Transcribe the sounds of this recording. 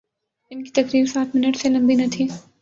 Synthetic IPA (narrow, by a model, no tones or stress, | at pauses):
ɪnkit̪ɐkɾiːɾsaːt̪ʰmɪnəʈselɐ̃mbinɐt̪ʰiː